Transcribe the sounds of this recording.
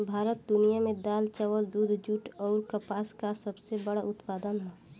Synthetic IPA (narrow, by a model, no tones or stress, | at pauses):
bʱaːɾət̪̚d̪ʊnijamẽd̪aːlt͡ʃəwəld̪uːd̪ʱd͡ʒuːʈɔːɾkəpaːskasəbsebəɽaʔʊt̪paːd̪ənɦɛ